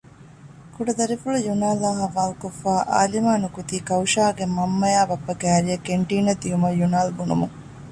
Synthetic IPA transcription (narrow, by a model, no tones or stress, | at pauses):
kuɖɐd̪ɐɾifulujunaːlaːɦɐʋaːlkofːaːʔa̰ːlimaːnukut̪iːkɐwʃaːɡemɐmːɐjaːbɐpːɐɡæːɾijɐkeɳʈiːnɐd̪iumɐjunaːlbunṵmuŋ